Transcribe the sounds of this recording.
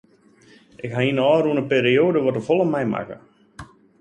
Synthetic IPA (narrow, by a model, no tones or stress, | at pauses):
ʔɪkɦainəɔːɾuənəpeːɾioːdəʋɔtəfɔlˠəmɛjma̰kə̰